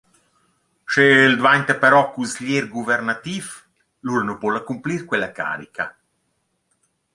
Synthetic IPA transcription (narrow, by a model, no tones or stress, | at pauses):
ʃeld̪vant̪apeɾɔkusʎeɾɡuvɛrnat̪if | luɾnopɔlːakumpliɾkwelaka̰ːɾika